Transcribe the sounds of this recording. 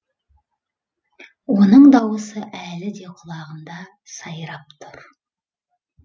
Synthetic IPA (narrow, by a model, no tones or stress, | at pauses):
wo̞nəɴd̪ɑwəsəʔælɪd̪e̞qʰʊlˠɑʁənd̪ɑ | sɑjɾɑpt̪ʰʊɾ